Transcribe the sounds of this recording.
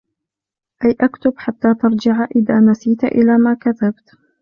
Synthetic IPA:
ʔajʔakt̪ʊbħat̪ːaːt̪ɑɾˤd͡ʒɪʕʔɪðaːnasiːt̪ʔɪ̰laːmaːkat̪abt̪

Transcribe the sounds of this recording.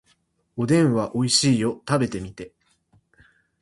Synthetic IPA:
o̞d̪ẽ̞ɰ̃βaʔo̞iɕiːjo̞t̪abe̞t̪e̞mʲit̪e̞

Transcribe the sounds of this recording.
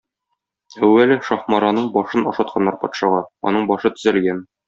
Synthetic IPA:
æwːælɘʃɒχmɑɾɑnɤɴbɒʃɤnɒʃɑt̪̚qʰɑnːɑɾpɒt̪ʃɑʁɑɒ̰nɤɴbɒʃɤt̪ɵ̆zælɡæn

